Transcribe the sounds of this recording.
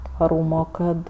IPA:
tʋɐˈruːmoː ˈkɐt

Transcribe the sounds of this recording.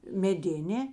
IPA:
mʲɛˈdʲɪnʲeː

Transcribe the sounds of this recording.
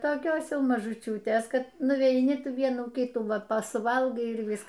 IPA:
toːˈkʲoːs ˈjɛʊ mɐʒʊˈt͡ʃʲuːtʲeːs ˈkɐt nʊʋʲɛɪˈnʲɪ ˈtuː ˈʋʲiɛnuː ˈkʲɪtuː ˈʋɐ ˈpɐ sʊˈʋɐlˠɡɐɪ ɪr ˈʋʲɪsk

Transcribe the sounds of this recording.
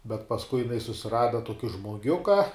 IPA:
bʲɛt pɐsˈkʊɪ jɪˈnɐɪ sʊsʲɪˈrɑːdɐ ˈtuɔkʲɪ ʒmoːˈɡʲʊkɐ

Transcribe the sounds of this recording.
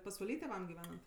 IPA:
pɐsʋɐˈlʲiː tʲeːˈʋɐm ɡʲɪˈʋʲæːnɐnt

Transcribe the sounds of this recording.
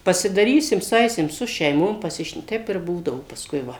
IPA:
pɐsʲɪdɐˈrʲiːsʲɪm sʊˈɐɪsʲɪm sʊ ʃʲɛɪˈmoːm pɐˈsʲɪʃn ˈtʲɛɪp ɪr buːdɐʋoː pɐsˈkʊɪ ˈʋɐ

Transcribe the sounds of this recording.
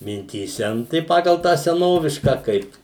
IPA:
mʲɪnʲtʲiːˈsʲɛ nʊ tɐɪ ˈpɑːɡɐlˠ tɑː sʲɛˈnoːʋʲɪʃkɑː ˈkɐɪp

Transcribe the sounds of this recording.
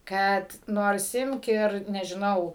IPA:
ˈkɐt ˈnoːrs ˈɪmk ɪr nʲɛʒʲɪˈnɐʊ

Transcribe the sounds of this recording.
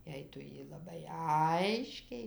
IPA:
ˈjɛɪ ˈtʊ ˈjiː lˠɐˈbɐɪ ˈɐɪʃʲkʲɛɪ

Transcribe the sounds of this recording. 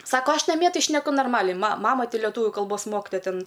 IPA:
ˈsɑːkoː ˈɐʃ nɐˈmʲiɛ ˈtɐɪ ʃʲnʲɛˈkʊ noːrˈmɑːlʲɛɪ mɐ ˈmɑːmɐ ˈtɐɪ lʲɛˈtuːʋʲʊ kɐlˠˈboːs ˈmoːktoːjɛ ˈtʲɛn

